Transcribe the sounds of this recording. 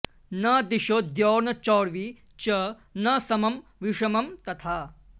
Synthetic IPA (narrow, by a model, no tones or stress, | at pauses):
nɐd̪iʃoːd̪joːɾnɐt͡ʃɔːɽʋi | t͡ʃɐ | nɐsɐmɐmʋiʂɐmɐmt̪ɐt̪ʰaː